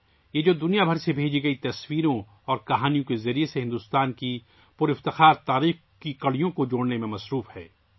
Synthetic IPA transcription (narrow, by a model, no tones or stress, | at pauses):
jed͡ʒoːd̪ʊnijabʱɐɾsebʱeːd͡ʒiɡɐit̪ɐswiːɾõ | ɔːɾkɐɦaːnijõkezɐɾieseɦɪ̃nd̪ʊst̪aːnki | pʊɾɪft̪ɪxaːɾt̪aːɾiːx | kikɐɽ̤ijõkod͡ʒoːɽnemẽmɐsɾuːfhɛ̰ː